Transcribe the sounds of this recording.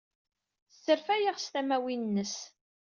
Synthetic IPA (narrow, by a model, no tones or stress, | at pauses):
sːəɾfæjaʁst̪æmæwinnːəs